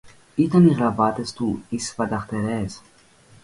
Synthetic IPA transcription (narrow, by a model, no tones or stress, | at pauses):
it̪ɐniɣɾavat̪est̪uisfɐd̪ɐχt̪eɾɛs